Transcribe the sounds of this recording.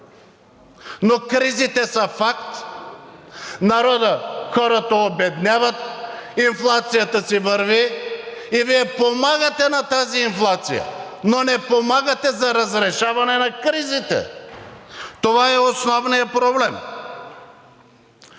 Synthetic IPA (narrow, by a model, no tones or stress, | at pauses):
nokɾizit̪ɛsɐfakt̪ | naɾɔd̪əxɔɾɐt̪ɐobɛd̪nʲjavɐt̪̚inflˠat̪sijat̪əsivəɾviː | viɛpomaɡɐt̪ɛnat̪aziːnflˠat̪sḭjə̰ | nonɛpomaɡɐt̪ɛzɐɾɐzɾɛʃavɐnɛnɐkɾizit̪ɛ̰ | t̪ovaɛosnɔvnijəpɾoblɛm